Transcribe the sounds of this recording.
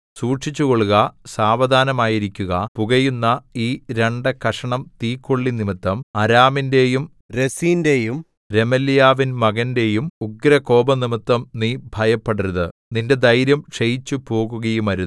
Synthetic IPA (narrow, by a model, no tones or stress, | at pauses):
suːʈʂit͡ɕːuɣo̞ɭuɣɐsaːʋɐd̪ʱaːnɐmaːjiɾikʲːuɣɐpuɣɐjunːɐiːɾe̞ɳɖɨkɐʂɐɳɐmt̪iːkːoɭːinimit̪ːɐmɐɾaːminde̞jum | ɾe̞siːnde̞jum | ɾe̞mɐljaːʋinmɐɣɐnde̞jumuɡɾɐko̞ːbɐnimit̪ːɐmnibʱɐjɐpːeɽiɾðɨninde̞d̪ɐjɾjɐmʂejit͡ɕːupo̞ːɣuɣɐjumɐɾu